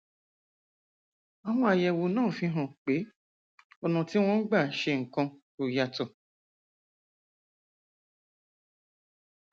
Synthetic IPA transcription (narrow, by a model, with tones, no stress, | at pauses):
a˧hɔ̃˧˦a˧jɛ˧wo˧nãː˦˨fĩ˧ɦã˨k͡pe˨˦ | ɔ˧nã˧ti˦w̃ɔ̃˦n̩˦ɡ͡ba˦˨ʃe˧ŋ̩˨kã˧ | o˨ja˧tɔ˨